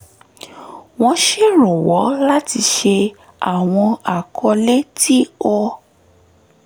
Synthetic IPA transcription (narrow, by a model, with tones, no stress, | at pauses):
w̃ɔ̃˧ʃe˦˨ɾ̃ũ˨wɔ˨˦la˦ti˧ʃe˧ | a̰˨w̃ɔ̃˧a˨kʰɔ˧le˦ti˦ɔ˦˧